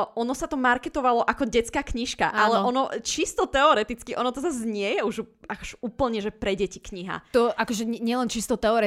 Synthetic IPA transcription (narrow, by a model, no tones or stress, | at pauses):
ʔɔnɔsat̪ɔmaɾkɛt̪ɔʋalɔʔakɔɟɛt͡skaːkɲiʃka̰ʔalɛɔnɔt͡ʃist̪ɔt̪ɛɔɾɛt̪it͡skiʔɔnɔt̪ɔzazɲɪɛjɛuʒakɔʒuːpl̩ɲɛʒɛpɾɛɟɛcikɲiɦa̰t̪ɔʔakɔʒɛɛɲɪɛlɛnt͡ʃist̪ɔt̪ɛɔɾɛ